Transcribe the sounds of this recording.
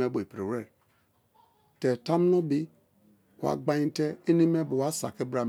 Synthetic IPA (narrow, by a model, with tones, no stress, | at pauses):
e˦bo˨e˨pɾe˨ɾe˦˨ | te˨ta˦m˦no˦bi˦ | kwa̰˨ɡ͡ba˦ɲĩ˦te˦i˦ni˦me˦bo˨wa˦sa̰˨ki˦bɾa˨m